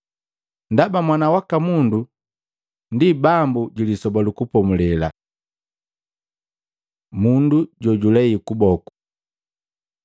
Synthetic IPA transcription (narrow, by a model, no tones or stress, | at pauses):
ndabamwanawakamundu | ndibambuɟulisɔbalukupɔmulɛla̰ | munduɟɔɟulɛikubɔku̥